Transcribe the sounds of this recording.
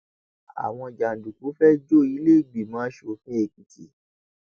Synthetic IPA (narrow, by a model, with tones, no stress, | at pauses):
a̰˨w̃ɔ̃˧d͡ʒa˨n̩˨du˨ku˨˦fɛ˦d͡ʒo˦˨i˨˧˦le˦˨ɡ͡bi˨mãː˨˦ʃo˧˨fĩ˦e˧˨ki˨kʰi˨